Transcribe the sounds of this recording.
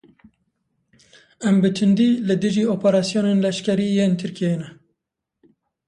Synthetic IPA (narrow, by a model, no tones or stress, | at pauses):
ɛmbɨt̪ʰɨnd̪iːlɨd̪ɨʒiːoːpʰɛɾɑːsijoːneːnlɛʃkɛɾiːjeːnt̪ʰɨɾkʰienɛ